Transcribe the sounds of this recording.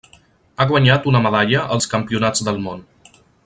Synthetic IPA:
aɣwəɲat̪unəməðaʎəʔəlˠskəmpiunad͡zd̪əlˠmon

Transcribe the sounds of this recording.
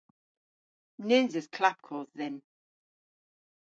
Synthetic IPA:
nɪnzɪz̥kʰl̥ap̚kʰɔːððɛ̃n

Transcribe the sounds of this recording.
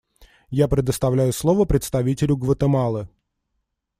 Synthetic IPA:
japɾʲɪd̪əst̪ɐvlʲæjʊslˠo̞vəpɾʲɪt̪st̪ɐvʲitʲɪlʲʊɡvət̪əmalˠɨ

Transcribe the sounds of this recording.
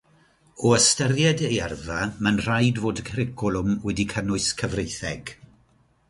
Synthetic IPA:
ɔəstərjɛdejɛrvamənr̥ajdvoːdkʰəɾɪkʰɔlˠʊmwɛdikʰənʊɨskʰəvrejθɛɡ̥

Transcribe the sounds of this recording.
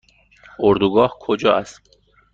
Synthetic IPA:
oɾd̪uɡɒːhkʰod͡ʒɒːast̪

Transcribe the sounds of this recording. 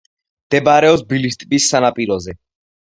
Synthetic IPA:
md̪̥ɛbaɾɛɔpsbilist̪ʼbisːanapʼiɾɔzɛ

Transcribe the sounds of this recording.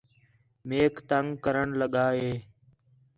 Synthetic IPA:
meːkt̪əŋɡkəɾəɳləɠaːɦeː

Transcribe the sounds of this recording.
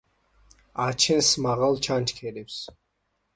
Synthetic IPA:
at͡ʃʰinsmaʁalˠt͡ʃʰant͡ʃʰkʰɛlips

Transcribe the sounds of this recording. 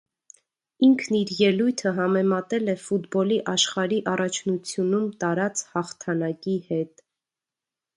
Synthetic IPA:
iŋkʰniɾjɛlujt̪ʰəɦɑmɛmɑt̪ɛlɛfut̪bɔliʔɑʃχɑɾiʔɑrɑt͡ʃʰnut͡sʰjunumt̪ɑɾɑt͡shɑχt̪ʰɑnɑkihɛt̪

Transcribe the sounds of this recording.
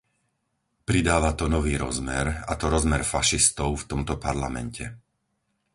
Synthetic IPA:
pɾid̪aːʋat̪ɔnɔʋiːɾɔ̰zmɛɾa̰t̪ɔɾɔzmɛɾfaʃist̪ɔʊft̪ɔmt̪ɔpaɾla̰mɛ̰ncʰɛ

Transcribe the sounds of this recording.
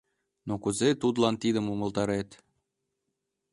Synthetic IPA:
nokuzet̪ud̪lɑnt̪id̪əmumə̆lt̪ɑɾet̪

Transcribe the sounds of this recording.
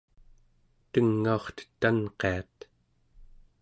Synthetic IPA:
t̪əŋːaoχt̪ə̥t̪ːanqeat̪

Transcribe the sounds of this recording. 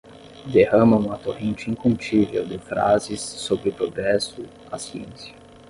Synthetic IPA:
d̪ehɐ̃mɐ̃ũmɐt̪ohẽnt͡ʃɪĩŋkũmt͡ʃivḛwd̪ɪfɾa̰zɪsːobɾɪʊpɾoɡɾɛsʊ | a̰siḛ̃sjɐ̥

